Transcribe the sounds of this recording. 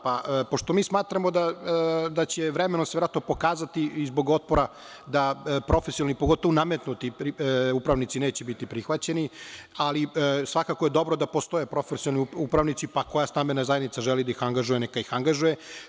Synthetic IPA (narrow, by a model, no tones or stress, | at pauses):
papoʃt̪omiːsmaːt̪ɾamo̞d̪ad̪at͡ɕeʋɾemenoseeɾat̪nopo̞kaːzat̪iizbo̞ɡo̞t̪̚poɾa | d̪apɾo̞fesijonlnipoɡo̞t̪oʋonamet̪nut̪ipɾupɾaʋnit̪sineːt͡ɕebit̪ipɾixʋat͡ɕenialisʋakakoje̞d̪o̞bɾod̪apost̪o̞jepɾo̞fesiolniupɾaʋnit̪sipako̞jast̪ambenazajed̪nit̪saʒelid̪aixaŋɡaʒujenekaixaŋɡaʒuje